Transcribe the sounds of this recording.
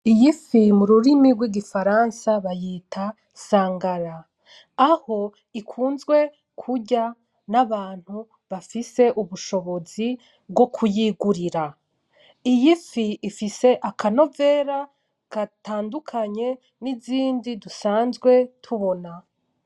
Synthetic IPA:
ijifimuɾuɾimiɡwiɡifaɾansaβajiːtʰa | saːŋɡaɾaː | ho̞ | ikʰuːnzɡwe̞ | kʰuɟa | naβaːn̥hu | βafise̞ʔuβuʃo̞βo̞zi | bɡo̞kʰujiɡuɾiɾa | ijifiifise̞ʔakʰano̞ve̞ːɾa | kataːndukʰaɲe̞ | niziːndidusaːnzɡwe̞tʰuβo̞na

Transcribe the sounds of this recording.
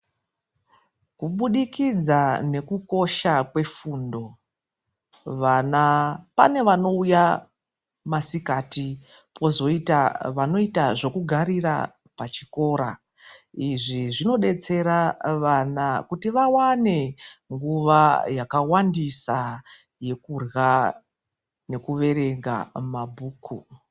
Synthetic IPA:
kuɓuɗikid͡zane̞kuko̞ʃakwe̞fundo̞ | ʋanapane̞ʋano̞uja | masikati | pʰo̞zo̞itaʋano̞itaʐo̞kuɡʱaɾira̰ | pat͡ʃiko̞ːɾa | iʐiʐino̞ɗe̞t͡se̞ɾaʋanakutiʋawane̞ŋɡuʋajakawandisa | je̞kurɣa | ne̞kuʋe̞ɾe̞ŋɡa̰mabʱuːkʰu

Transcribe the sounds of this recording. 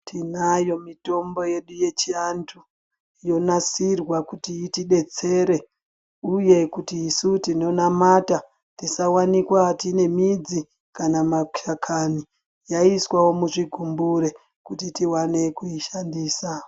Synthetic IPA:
tʰinajo̞mito̞mbo̞je̞ɗuje̞t͡ʃiantʰu | jo̞nasirwakutiːtiɗe̞t͡se̞ɾe̞ | uje̞kutiːsutino̞namata | tisawanikwatine̞mid͡zi | kanamaʃakʰani | jaiswawo̞muʐiɡʱumbuɾe | kutitiwane̞kuiʃandiːsa

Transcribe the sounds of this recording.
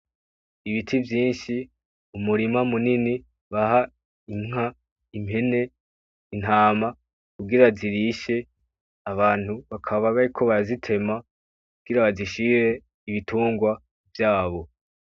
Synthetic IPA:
iβitʰivjiːnʃi | umuɾimamunini | βaɦa | iŋ̥a | imhe̞ne̞ | in̥haːma | kuɡiɾaziɾiʃe̞ | aβaːn̥huβakʰaβaβaɾikʰo̞βazitʰe̞ma | kuɡ̥iɾaβaziʃiɾe̞ | iβitʰuːŋɡwa | vjaːβo̞

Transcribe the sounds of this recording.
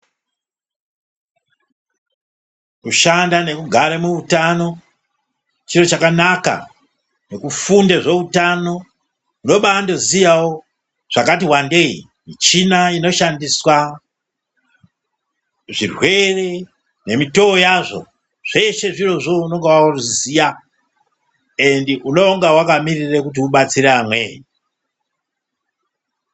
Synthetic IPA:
kuʃandane̞kuɡʱaɾemuutano̞ | t͡ʃiro̞t͡ʃakanaka̰ | ne̞kufundeʐe̞utano̞ | uno̞ɓaːndo̞zijawo | ʐ̥akatiwande̞ḭ | mit͡ʃinaino̞ʃandiswa | ʐirwe̞re̞ | ne̞mito̞ojaʐo̞̰ | ʐ̥e̞ʃe̞ʐiro̞ʐouno̞ŋɡewaoruzzija | endiuno̞ːŋɡawakamirirekut̬iuɓat͡siɾeamwḛːɲi

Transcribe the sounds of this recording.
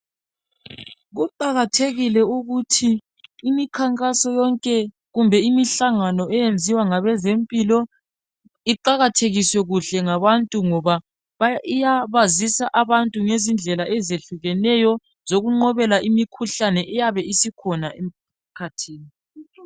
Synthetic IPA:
ɣuǃaɣatʰeɣilɛuɣutʰiː | mikʰaŋkʼasɔjɔŋkʼɛ | ɣumbʱɛimiɬaŋanɔɛjend͡zʱiwaŋaβɛzempʼilɔ | iǃaɣatʰeɣiswɛɣuɬɛŋaβantʼuŋɔβa | βaijaβazisaʔaβantʼuŋezind͡ɮʱɛlaʔɛzeɬuɣɛnɛjɔ | zoɣuŋ͡ǃɔβɛlaʔimikʰuɬanɛʔɛjaβɛisikʰɔnaʔem̩ | kʰatʰiːni

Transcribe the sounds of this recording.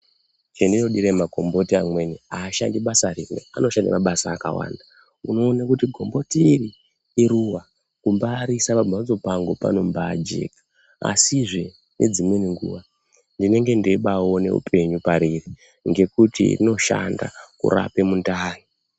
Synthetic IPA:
t͡ʃendino̞ɗiɾemako̞mbo̞tiamwe̞niaːʃandiɓasarimwḛano̞ʃandḭmaɓasaːka̰wa̰ːnda | uno̞ːnakutiɡʱo̞mbo̞tiːriː | ɾuwa | kumbaɾisapabʱad͡zo̞paŋɡo̞pa̰no̞mbaːd͡ʒe̞̰kḁ | a̰siʐe | nʔe̞̰d͡zimwe̞niŋɡṵʋa | ndine̞ŋɡe̞ndeiɓaone̞̰ṵpʰe̞ɲupaɾiri | ŋɡe̞kutḭrḭno̞ʃa̰nda̰kṵɾa̰pe̞mundaːni

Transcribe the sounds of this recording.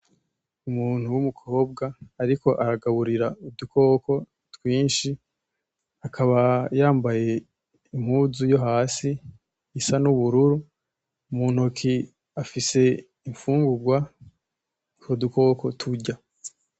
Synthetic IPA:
umuːn̥huwumukʰo̞ːb̚ɡaːɾiko̞ʔaɾaɡaβuɾiɾaud̪ukʰo̞ːko̞ | twiːnʃi | akʰaβajaːmbaje̞ | im̥huːzujo̞ɦaːsi | isanuβuɾuɾu | muːn̥okʰi | afise̞ | iɱfuːŋɡuɡwa | koduko̞ːko̞tʰuɟa

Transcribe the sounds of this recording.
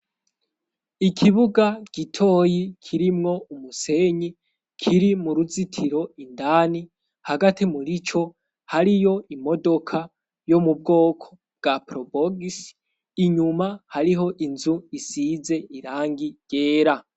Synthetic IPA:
ikʰiβuɡaɡ̥itʰo̞ːjikʰiɾimŋo̞umuse̞ɲi | kʰiɾimuɾuzitʰiɾo̞indaːni | haɡatimuɾit͡ʃo̞ | haɾijo̞imo̞do̞kʰa | jomub̚ɡo̞ːkʰo | b̚ɡapɾoboɡis | iɲumahaɾiɦo̞ʔinzuisize̞ʔiɾaːŋɡiɟe̞ːɾa

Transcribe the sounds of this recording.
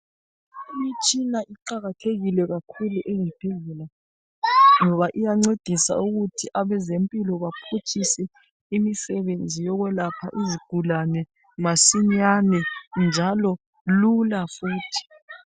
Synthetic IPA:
ijit͡ʃʼinaʔiǃaɣatʰeɣilɛɣakʰuluʔeŋɛpʰelɛla | ŋɔβaʔijaŋ͡ǀed̥ʱisa̰uɣutʰiʔaβɛzempʼilɔβapʰot͡ʃʼʰisɛ | imisɛβend͡zʱijɔɣwɛlapʰa̰ʔiziɡ̥ʱulanɛ | masiɲanɛnd͡ʒʱalɔ | lulafuːtʰi̥

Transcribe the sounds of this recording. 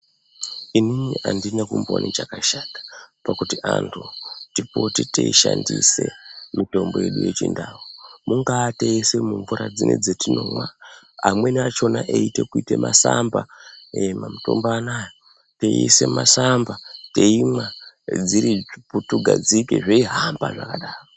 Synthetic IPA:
ininiʔandinekumbonʔit͡ʃakaʃatḁpakutiʔantʰutipotiteiʃandise̞mito̞mboje̞ɗuje̞t͡ʃindaːumuŋɡaːteese̞muɱvuɾad͡zinḛd͡zetino̞mwa | amwe̞nat͡ʃo̞naʔeite̞kuitemasambaemamutombaːnaːjo | teise̞masambate̞imwa | d͡ziɾiputuɡʱad͡zikeʐeiɦambaʐakaɗaːro

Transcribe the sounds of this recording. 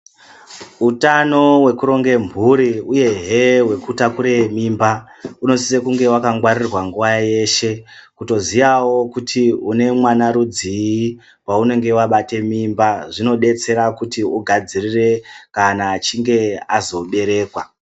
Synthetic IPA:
utano̞we̞kuɾo̞ŋɡe̞mbʱuɾiuje̞ɦewe̞kutakuɾe̞mimbauno̞sisekuŋɡe̞wakaŋɡwarirwaŋɡuʋaje̞ʃe̞kuto̞zijawo̞kutʰiune̞mwanaɾud͡zii | waune̞ŋɡe̞waɓate̞mimbaʐino̞ɗe̞t͡se̞ɾakutiuɡʱad͡zirire̞kanaːt͡ʃiŋɡe̞azo̞ɓe̞ɾe̞ːkwa

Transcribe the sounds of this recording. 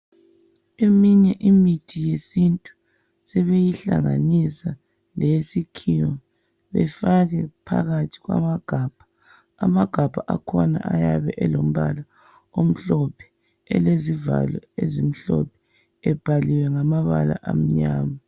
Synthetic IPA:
emiɲɛʔimitʰijesintʼu | sɛβejiɬa̰ŋanisa | lesikʰiwa | βɛ̰faɣɛpʰa̰ɣatʰi̥ɣwa̰maɡ̥ʱab̥ʱḁː | maɡ̥ʱab̥ʱaʔakʰɔna̰ʔajaβɛʔɛlom̩βala | om̩ɬɔpʰɛ̥ | ɛ̰leziva̰lɔ̰ezim̩ɬɔ̰pʰɛ̥ | ɛb̥ʱaliwɛŋamaβala̰ʔam̩ɲaːma

